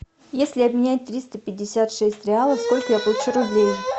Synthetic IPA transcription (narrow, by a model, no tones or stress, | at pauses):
jesʲlʲɪɐbmʲɪnʲæt̚ʲt̪ɾʲist̪əpʲɪdʲːɪsʲat̪ʂɛsʲtʲɾʲɪalˠəfsko̞lʲkəjapəlˠʊt͡ɕuɾʊblʲej